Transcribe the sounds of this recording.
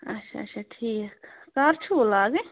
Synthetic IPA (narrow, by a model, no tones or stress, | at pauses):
ɐʃʰa̰ʃʰaʈʰiːkːaːɾt͡ʃʰoːlaːɡe